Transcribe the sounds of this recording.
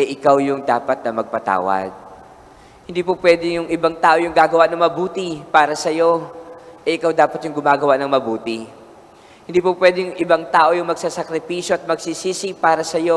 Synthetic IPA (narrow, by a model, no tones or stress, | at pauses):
ʔɛʔɪkawjʊŋd̪aːpɐt̪̚nɐmɐɡ̚pɐt̪a̰ːwɐ̰d̪̚ | hɪnd̪iːpopwɛːd̪ɪjʊŋɪbaŋt̪aːʔo̞jʊŋɡaːɡɐwaʔnɐŋmɐbuːt̪ɪpaːɾɐsɐjo̞ʔɛʔɪkawd̪aːpɐt̪jʊŋɡʊmaːɡɐwaʔnɐŋmɐbuːt̪ɪ | hɪnd̪iːpʊpwɛːd̪ɪjʊŋʔɪbaŋt̪aːʔo̞jʊŋmɐɡ̚sasɐkɾɪpiːʃjoʔɐt̪̚mɐɡsisiːsipaːɾɐsɐjo̞